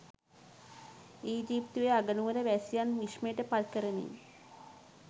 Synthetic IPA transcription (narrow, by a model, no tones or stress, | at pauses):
iːd͡ʒiːpt̪uʋeaɡənuʋəɾəʋæsijanʋiʃməjʈəpalkəɾənḛ